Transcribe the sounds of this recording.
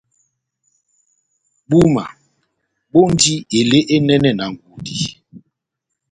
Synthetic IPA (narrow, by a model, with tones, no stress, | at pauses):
ɓu˦ma˨ | ɓo˦ndi˦e˨le˦ʔe˦nɛ˦nɛ˦na˨ŋ̩˨ɡu˨di˨